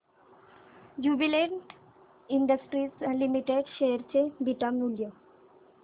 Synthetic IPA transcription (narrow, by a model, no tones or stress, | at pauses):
d͡ʑubileɳʈ | iɳɖəsʈɾislimiʈeɖʃeɾt͡ɕʰebiʈamuljo